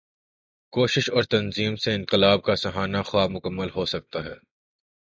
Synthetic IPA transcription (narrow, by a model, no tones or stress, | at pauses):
koːʃɪʃɔːɾt̪ɐnziːmseɪ̃nqɪlaːb̚kasɐɦaːnaxwaːbmʊkəmːəlɦosɐk̚t̪aɦɛː